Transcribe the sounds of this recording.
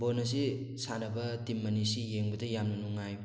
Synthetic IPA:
bonɐs̬i | sanɐbɐtimːɐnisijeŋbɐdɐjamnɐnuŋaj

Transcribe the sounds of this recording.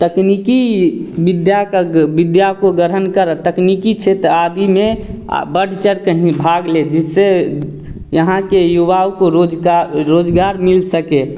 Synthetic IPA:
t̪əknikibid̪jakəbid̪jakoɡəɾənkəɾət̪əknikit͡ʃʰet̪ɾad̪imḛbəɽ̤ʱt͡ʃəɾkəɦĩbʱaɡled͡ʒise | jəɦãkejuʋaukoɾod͡ʒɾod͡ʒɡaɾmilsəke

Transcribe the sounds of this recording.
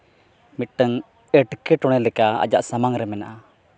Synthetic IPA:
miʈəŋ | ɛʈkɛʈɔɽ̃ɛlɛkaa̰d͡ʒaʔsamaŋɾɛmɛnaʔa

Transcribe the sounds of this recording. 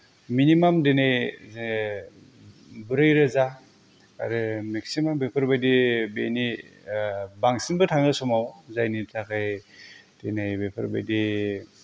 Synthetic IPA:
minimamdenaj | bɯɾɯjɾɯza | a̰ɾɯmeksimambepʰɯɾbajdibḛni | baŋsinbɯtʰaŋɯsɔmawzajnitʰakʰɯjd̥enajbepʰɯɾbajdi

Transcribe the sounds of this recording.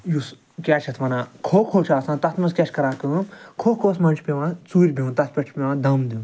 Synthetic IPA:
jus | kʲat͡ʃʰɐt̪ʰʋɐnãːkʰoːkʰoːt͡ʃʰaːsãːnt̪ɐt̪ʰmɐskʲat͡ʃʰʲkɐɾaːkɨɐmkʰoːkʰoːsmɐnt͡ʃʰʲpʲeʋãt͡suːɾʲbĩnt̪ɐt̪̚ʰpʲeʈʰpʲeʋãd̪ɐmd̪iw

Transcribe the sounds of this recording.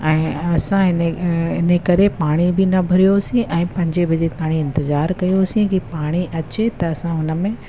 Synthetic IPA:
ɛ̃ːɐsãɦɪneɪnekɐɾepaːɽ̃ibʱɪnɐbʱɐɾijosĩʔɛ̃ːpɐ̃ɲd͡ʑebʱɐd͡ʑet̪aːɽ̃iɪ̃nt̪ɪzaːɾkɐjosĩkipaːɽ̃iʔɐt͡ɕet̪ɐːsãɦʊnə̆mẽ

